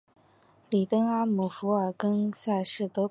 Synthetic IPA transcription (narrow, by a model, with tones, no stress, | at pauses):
li˨˩t̪ɤ˥ŋa˥mu˨˩fu˧˥ə˞˨˩kə˥nɕja˥˧ʂɻ̩˥˩t̪ɤ˧˥